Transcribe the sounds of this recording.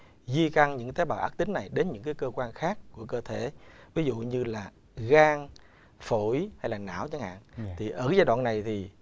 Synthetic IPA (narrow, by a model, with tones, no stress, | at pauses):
zi˧ka˧ŋɲɨ̰˧˥ŋt̪a˨˦jɓaː˨˩ʔa̰ː˦˥k̚t̪ï˨˦ŋ̟na˨˩jɗe˨˦nɲɨ̰˧˥ŋkaː˨˦jkəː˧kwaː˧nxaː˦˥kːu˧˩əkəː˧t̪ʰe˧˩˨vi˨˦zṵ˧˨ɲɨ˧laː˨˩ | ɣaː˧ŋ | fo˧˩jha˧jlaː˨˩na̰ː˧˩˨wt͡ɕa˨˦ŋha̰ː˧˨nt̪ʰi˨˩ʔəː˧˩zaː˧jɗwa̰ː˧˨nːa˨˩jt̪ʰi˨˩